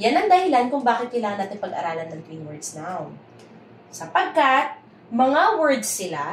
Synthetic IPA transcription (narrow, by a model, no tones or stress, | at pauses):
janɐŋd̪ɐhɪlankʊŋbaːkɪt̪̚kɐjlaːŋɐnaːt̪ɪŋpɐɡʔɐ̰ɾaːlɐnːɐŋt̪winwɛɹd̪snaw | sɐpɐɡ̚kat̪̚ | mɐŋawɛɹd̪sːɪla